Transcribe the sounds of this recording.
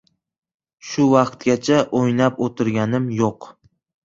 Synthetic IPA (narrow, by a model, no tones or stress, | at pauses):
ʃʊvɑqt̪ɡʲat͡ʃʰaʔojnapot̪ʰɪɾɡʲanɪmjoq